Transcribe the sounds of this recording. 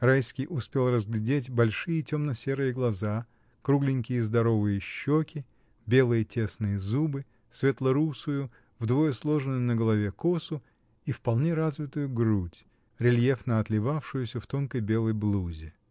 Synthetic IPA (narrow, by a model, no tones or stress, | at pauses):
rajskʲijʔʊspʲelˠrəzɡlʲɪdʲetʲbɐlʲʂɨjətʲo̞mnəsʲe̞ɾɨjəɡlˠɐza | kɾuɡlʲɪnʲkʲɪjəzd̪ɐɾo̞vɨjəɕːokʲɪ | bʲe̞lˠɨjətʲe̞snɨjəzubɨ | svʲet̪lˠəɾusʊjʊ | vd̪vo̞jəslˠo̞ʐɨnʊjʊnəɡəlˠɐvʲekosʊ | ifpɐlˠnʲeɾazvʲɪt̪ʊjʊɡɾutʲ | ɾʲɪlʲjefnəɐt̪lʲɪvafʂʊjʊsʲəft̪o̞nkəjbʲe̞lˠəjblˠuzʲɪ